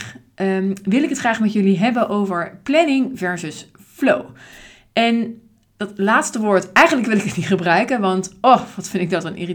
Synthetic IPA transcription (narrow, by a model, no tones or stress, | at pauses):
ʋɪlɪkətχraːχmɛtjɵliɦɛbənʔowvəɹplɛnɪŋvɛɹzəs | flow | ʔɛn | d̥ɑtlaːtstəʋʊːɹtɛjχənləkʋɪlɪkətnitχəbrœɥkənʋɑntoʋɑtfɪndɪɡ̚dɑtənʔḭːri